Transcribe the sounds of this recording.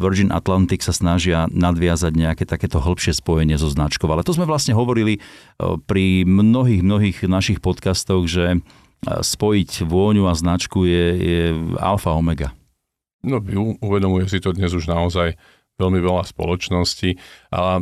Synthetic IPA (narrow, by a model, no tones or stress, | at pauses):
ʋrd͡ʒinʔa̰t̪lant̪iksasnaʒɪanad̪ʋɪazaɟɲɛakɛːt̪akɛːt̪ɔɦl̩pʃɪɛspɔjɛɲɪɛzɔznat͡ʃkɔʊalɛt̪ɔzmɛʋlasɲɛɦɔʋɔɾili | pɾimnɔɦiːɣmnɔɦiːɣnaʃixpɔt̪kast̪ɔɣʒɛ | spɔjicʋʊɔɲuaznat͡ʃkujɛjɛa̰lfaɔmɛɡa | nɔʋiuʋɛd̪ɔmujɛs̬it̪ɔd̪ɲɛzuʒnaɔzaj | ʋɛlmiʋɛlaspɔ̰lɔt͡ʃnɔsciʔa̰lɛ